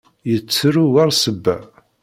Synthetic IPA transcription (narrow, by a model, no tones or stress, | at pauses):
jət͡sːɾuwaɾˤsəbːæ̰